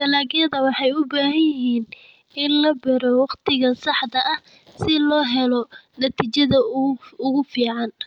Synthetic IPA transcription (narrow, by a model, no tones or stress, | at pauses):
t̪ɐlaːɣjɐðɐwɑħɑjʊbaːɦɐjɪɦiːn | ɪnlɐbɛɾɔwɑqt̪ʰɪɣɐsɑħd̪ɐʔɐh | sɪlɔːɦɛlɔnɐt̪ʰiːt͡ʃɐðɐʊɣʊfiːʕɑn